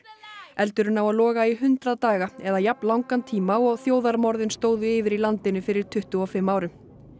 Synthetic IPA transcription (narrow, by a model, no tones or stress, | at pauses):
ɛlt̪ʏɾʏnawaðlɔːɣaiɦʏnt̪ɾaðt̪aːɣaɛðajapnlawŋkant̪ʰiːmaɔɣθjoːwðaɾmɔɾðɪnst̪oːwðʏɪːvɪɾilant̪ɪnʏfɪɾɪɾ̥t̪ʰʏht̪ʏɔfɪmːaːwɾʏm